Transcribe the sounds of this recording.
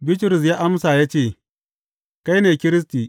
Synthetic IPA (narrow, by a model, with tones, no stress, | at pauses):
bɪ˦tɾʊ˨s̬jaː˦ʔa˦msaː˨jaː˦t͡ʃeː˦˨ | ka˦jneː˨kʲɪ˦ɾɪ˦s̬tiː˨